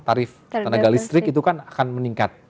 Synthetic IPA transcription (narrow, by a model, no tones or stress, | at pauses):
t̪aɾɪfənaɡalist̪ɾɪkit̪ukanakanməniŋkat̪̚